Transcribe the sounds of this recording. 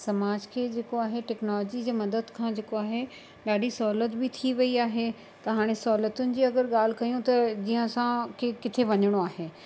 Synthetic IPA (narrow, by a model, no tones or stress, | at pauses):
sɐmaːd͡ʑkʰeːd͡ʑeːkoaːɦeʈɛːknɔːlɔːd͡ʑid͡ʑeːmɐd̪əd̪kʰãːd͡ʑeːkoaːɦe | ɗaːɖʱisɔːɦlət̪bɪt̪ʰiʋɐiaːɦe | t̪ɐɦaːɽ̃esɔɦlət̪ʊnɪ̆d͡ʑiːɐɡəɾɠaːl̤ɪkɐjũt̪ɐd͡ʑiːɦə̃sãkʰeːkɪt̪ʰeʋɐɲəɽ̃oaːɦeː